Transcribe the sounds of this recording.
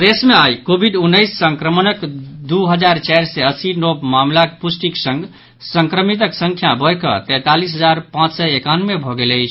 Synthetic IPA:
d̪esmeajkobʱiɖunːəjsːəŋkɾəmənəkd̪uɦəd͡ʒaɾt͡ʃajɾsɛəsinobmamlakpusʈiksə̃ŋɡ | səŋkɾəmit̪̬əksə̃ŋkʰjabəjkə̰t̪ɛ̃t̪alisɦəd͡ʒaɾpãt͡ʃsɛekanumebʱɔɡeləjt͡ʃʰ

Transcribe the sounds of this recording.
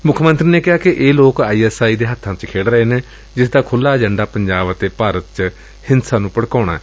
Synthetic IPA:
mʊkʰmə̃nt̪ɾiːneːkɪɦaːkɪʔeːloːkaːiːɛːsaːiːd̪eːɦət̪ʰːãːt͡ʃkʰeːɽɾəeːneː | d͡ʒɪsd̪aːkʰʊlːaːd͡ʒəɳɖaːpəɲd͡ʒaːʋət̪eːpaːɾət̪̚t͡ʃ | hɪnsaːnũːpəɽkaːɽ̃a̰ːɛː

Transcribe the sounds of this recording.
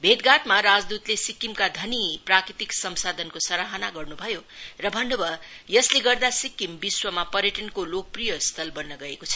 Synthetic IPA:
bʱed̪ɡaʈmaɾad͡zd̪ut̪lesikːimkad̪ʱʌniprakɾit̪iksʌmsad̪ʱʌnkosʌɾaɦanaɡʌrnubʱʌjorʌbʱʌnːobʌ | jʌsleɡʌrd̪asikːimbiswʌmapʌɾjʌʈʌnkolok̚prijʌst̪ʰʌlbʌnːʌɡʌekot͡sʰʌ̥

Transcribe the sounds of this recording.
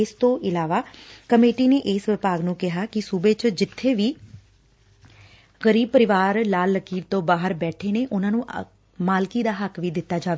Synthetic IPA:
ɪst̪õːʔɪlaːʋaːkəmeːʈiːneːʔɪːsʋɪpaːɡnũːkɪɦaːkɪsuːbeːt͡ʃd͡ʒɪt̪ʰːeːʋiː | ɣəɾiːb̚pəɾɪʋaːɾlaːlːəkiːɾt̪õːbaːɦəɾbɛːʈʰeːneːʔʊnãːnũː | maːlkiːd̪aːɦəkʋiːd̪ɪt̪ːaːd͡ʒaːʋeː

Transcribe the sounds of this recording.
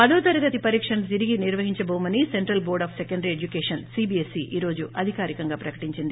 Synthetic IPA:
pɐd̪oːt̪ɐɾɐɡɐt̪ipɐɾiːkʂɐnɐt̪iɾiɡiniɾʋɐɦiɲt͡ʃɐboːmɐniseɳʈɾɐlboːɾɖaːpsekɐɳɖɾied͡ʒukeːʂɐnsibiesiʔiːɾo̞ːd͡ʒuʔɐd̪ʱikaːɾikɐŋɡaːpɾɐkɐ̥ʈiɲt͡ʃind̪i

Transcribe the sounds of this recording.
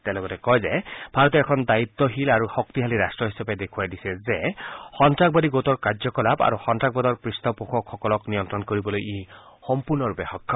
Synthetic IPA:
t̪ɛlɔɡɔtɛkɔjzɛbʱaɹɔt̪̬ɔɛkʰɔnd̪ait̪ːɔɦilaɹuxɔkt̪iɦaliɾastɹɔɦisaped̪ekʰuwajdisɛzexɔntɹak̚bɔdiɡot̪ɔɹkaɹzɔkɔlapa̰ɹuxɔntɹak̚bɔd̪ɔɹpɹist̪ɔpuxʰɔkxɔkɔlɔknijɔnt̪ɹɔnkoɹibɔlojej | xɔmpuɹnɔɹupɛxɔkʰːɔ

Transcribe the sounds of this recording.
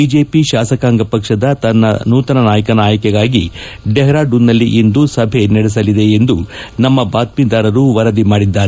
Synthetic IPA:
bid͡ʒeːpiʃaːsɐkaːŋɡɐpɐkʂɐd̪ɐt̪ɐnːɐ̰nuːt̪ɐnɐnaːjɐkɐnaːjɐkɛɡaːɡi | ɖɛɦɾaːɖunːɐlːiʔind̪usɐbʱe̞nɐɽɛs̬ɐlid̪e̞end̪unɐmːɐbaːt̪̚mid̪aːɾɐɾuʋɐɾɐd̪imaːɽid̪ːaːɾe

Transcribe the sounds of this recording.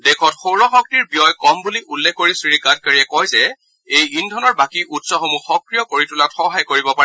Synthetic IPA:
dɛkʰɔtxowɹɔxɔk̚tiɹbijɔjkɔmbuliʔulːɛkʰkoɹisɹikad̚kaɹiɛkɔjzɛ | ejindʱɔnɔɹbakiʔutsɔxomuxɔkɹijɔkoɹitulatxɔɦajkoɹibɔpa

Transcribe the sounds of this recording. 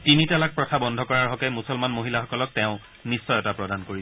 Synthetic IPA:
tinitalak̚pɹɔtʰabɔndʱɔkɔɹaɹɦɔkɛmusɔlmanmoɦilaxɔkɔlɔk̚tɛʊ̃ | nisːɔjɔtapɹɔdankoɹi

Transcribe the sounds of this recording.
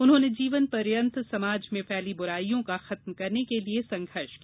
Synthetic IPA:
ʊnɦõːned͡ʒiːʋənpɐɾjə̃nt̪sɐmaːd͡ʒmẽpʰɛːlibʊɾaːijõkaxɐt̪mkɐɾnekeliesɐ̃ŋɡʱəɾʃki

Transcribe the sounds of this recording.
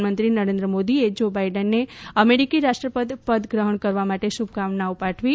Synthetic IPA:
mənt̪ɾinəɾẽnd̪ɾəmod̪ied͡ʒobaiɖənːeəmeɾikiɾaʃʈɾəpəd̪pəd̪ɡɾəɦəɳkəɾʋamaʈeʃub̚ɡaʋnaopaʈʰʋi

